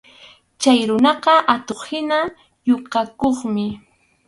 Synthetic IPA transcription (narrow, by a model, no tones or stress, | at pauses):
t͡ʃajɾʊnɑqɑʔat̪oχhɪna | joqakoχmɪ